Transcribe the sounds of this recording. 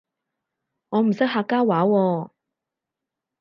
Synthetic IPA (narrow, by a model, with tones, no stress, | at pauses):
ŋɔː˨˧m̩˨˩sɪ˥k̚ɦaː˧kːaː˥waː˨˥wɔː˧